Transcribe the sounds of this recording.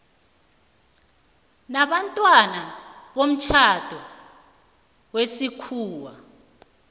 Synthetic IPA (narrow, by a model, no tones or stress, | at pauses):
naɓantʼwanaɓom̩t͡ʃʰatʰɔ | wesikʰuːwa